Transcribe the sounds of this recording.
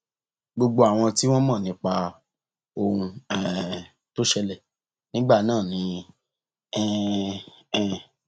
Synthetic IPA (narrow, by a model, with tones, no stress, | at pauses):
ɡ͡bo˧ɡ͡bo˧a˨w̃ɔ̃˧ti˦w̃ɔ̃˦mã˦˨nĩ˨˧˦k͡pa˧ | o˧ũ˧ɛ˨ | to˦ʃɛ˧lɛ˦˨ | nĩ˦ɡ͡ba˦˨nãː˦˨nĩ˨˧˦ | ɛ˦˨ | ɛ˨